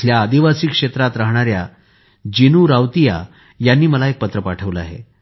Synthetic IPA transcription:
ljaːd̪iʋasiːkʂet̪ɾat̪ɾaɦɽ̃aɾja | d͡ʑinuːɾaʋt̪ija̰ | janːiːməlaek̚pət̪ɾəpaʈʰəʋləa̰ɦḛ

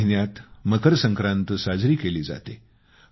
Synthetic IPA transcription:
ɦinjat̪məkəɾsə̃ŋkɾãnt̪əsad͡zɾiːkeliːd͡za̰t̪ḛ

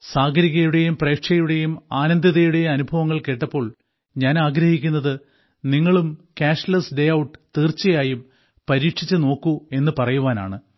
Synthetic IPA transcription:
saːɡɐɾiɣɐjuɽe̞jumpre̞ːkʂɐjuɽe̞jumaːnɐnd̪ɐðɐjuɽe̞jɐnubʱɐʋɐŋːɐɭke̞ːʈːɐpːo̞ːɭ | ɲaːnaːɡɾɐhikʲːunːɐðɨ | niŋːɐɭumkaːʂlɐsɖejɐwʈːɨ̥t̪iːrt͡ɕːɐjaːjum | pɐɾiːkʂit͡ɕːɨno̞ːkːue̞nːɨpɐrɐjuʋaːna̰ːɳɨ

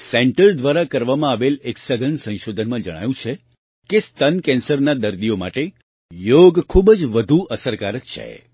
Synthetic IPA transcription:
sɛɳʈəɾd̪ʋaɾakəɾʋamãaʋeleksəɡʱənsə̃nʃod̪ʱənmãd͡ʒəɽ̃a̰jũt͡ʃʰe | kest̪ənkɛ̃nsəɾnad̪əɾd̪ijoma̰ʈe | joɡkʰubd͡ʒʋəd̪ʱuʔəsəɾkaɾətt͡ʃʰḛ

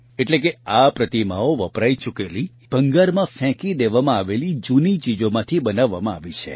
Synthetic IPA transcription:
eʈlekeapɾət̪imaoʋəpɾait͡ʃukeli | b̥ʱəŋɡaɾmãfɛ̃kid̪eʋamãaʋelid͡ʒunit͡ʃid͡ʒomãt̪ʰibənaʋːa̰mãaʋit͡ʃʰḛ

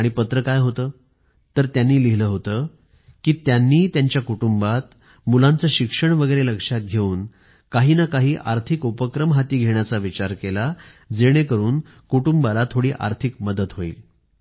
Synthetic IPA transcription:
aɽ̃ipət̪ɾəkajɦot̪əː | t̪əɾt̪janːiːliɦləɦot̪əː | kiːt̪janːiːt̪jaɲt͡ɕjakuʈumbat̪̚ | mulãnt͡səɕikʂəɳʋəɡəjɾeləkʂat̪̚ɡʱeuːn | kaɦiːnakaɦiːʔaɾt̪ʰikupəkɾəmɦat̪iːɡʱeɳjat͡saʋit͡ɕaɾkela | d͡zeɽ̃ekəɾuːn | kuʈumbalat̪ʰoɽiːʔa̰ɾt̪ʰikməd̪ət̪ɦoḭːl

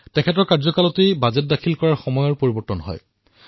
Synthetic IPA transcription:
tɛkʰɛtɔɹkaɹzɔkalɔtejbazɛt̚dakʰilkɔɹaɹxɔmɔjɔɹpoɹibɔɹtɔnɦɔ̰j

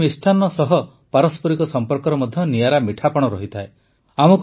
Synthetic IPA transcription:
isʈʰanɔsɔɦɔ | paɾɔspɔɾikɔsɔmpɔɾkɔɾɔmɔd̪ʱjɔnijaɾamiʈʰapɔɽ̃ɔɾɔɦit̪ʰae | amɔk

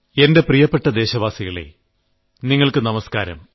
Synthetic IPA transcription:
e̞nde̞prijɐpːeʈːɐd̪e̞ːɕɐʋaːsiɣɐɭḛ | niŋːɐɭkɨnɐmɐskaːɾɐ̰m

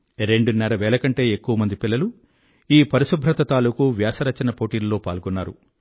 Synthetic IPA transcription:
ɾe̞ɳɖunɛɾɐʋɛːlɐkɐɳʈe̞ːekːuʋɐmɐnd̪ipilːɐlu | iːpɐɾiʃubʱɾɐt̪ɐt̪aːlukuʋjaːsɐɾɐt͡ʃːɐnɐpoːʈiːllo̞ːpaːlɡɔnːaːɾu

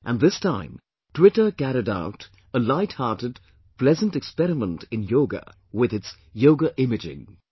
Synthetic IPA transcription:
ʔə̃nðɪstʰãɪ̃m | tʰw̥ɪɾə˞ɡæɾɨda̰ʊt | əlaɪt̚hɑɹɾɨd̚ | pʰl̥ɛzə̃ntɨkspɛɾɨmə̃ntʰɨ̃njoʊɡə̰ | wɪðɨts | joʊɡəʔɪmɨd͡ʒɪ̰̃ŋ

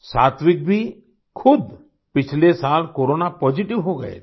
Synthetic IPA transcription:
saːt̪ʰʋik̚bʱi | kʰʊd̪ | pɪt͡ʃʰlesalkoɾonapɔd͡ʒiʈiʋɦoɡə̰ḛ

